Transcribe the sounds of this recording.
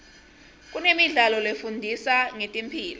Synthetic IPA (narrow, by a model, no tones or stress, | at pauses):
k̬ʼunemiɮalɔlefundʱisaŋetʼimpʰiːlɔ